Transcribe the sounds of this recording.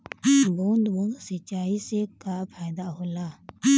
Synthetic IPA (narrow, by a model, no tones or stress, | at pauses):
buːnd̪bũːnd̪sət͡ʃaːisekaːpʰaːɪd̪aːɦolaː